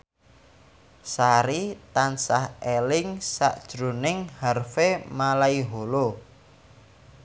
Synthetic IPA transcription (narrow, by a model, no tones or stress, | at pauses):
saɾit̪ansahelɪŋsa̰ʔd̥ʒ̥ɾo̤nɪŋharfemalaiɦolo